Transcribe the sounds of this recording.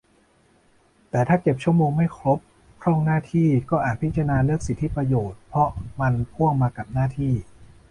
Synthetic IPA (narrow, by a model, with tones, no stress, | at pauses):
t̪ɛː˨˩t̪ʰaː˥˩ke˨˩p̚t͡ɕʰu˥˩əmoː˧ŋma˥˩jkʰɾo˦˥p̚ | kʰɾɔ˥˩ŋnaː˥˩t̪ʰiː˥˩kɔː˥˩ʔaː˨˩t̪̚pʰi˦˥t͡ɕɾnaː˧nɯ˥˩ək̚si˨˩t̪ʰːi˦˥pɾa˧joː˨˩t̪̚pʰɾɔ˦˥ma˧npʰu˥˩əŋmaː˧ka˨˩p̚naː˥˩t̪ʰiː˥˩